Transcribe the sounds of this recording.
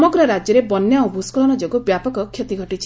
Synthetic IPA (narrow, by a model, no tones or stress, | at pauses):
mɔɡɾɔɾad͡ʒjɔɾebɔnːjaubʱuskulɔñɔd͡ʒoɡubjapɔkɔkʰːjet̪iɡʱɔʈit͡ʃʰi̥